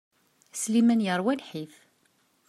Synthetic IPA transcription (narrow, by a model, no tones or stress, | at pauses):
slimænjəɾˤwælħiθ